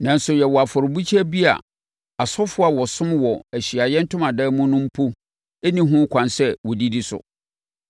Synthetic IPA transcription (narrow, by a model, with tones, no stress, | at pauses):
nã˨n˦sʊ˨jɛ˨wɔ˨a˨fɔ˨ɾbu˦t͡ɕʰɛ˦bi˦a̰˨ | a˨sɔ˦fʊ˦a˨wɔ˨sʊ̃˦mwɔ˨æ˨ɕi˨a˨jɛ˦n̩˦tʊ̃˦mã˨daː˦mũ˦nʊ̃˦m̩˦pʰo˦ | e˦nĩ˦ɦʊ̃˦kʷʰã˨nsɛ˦wɔ˨di˦di˦sʊ̰˨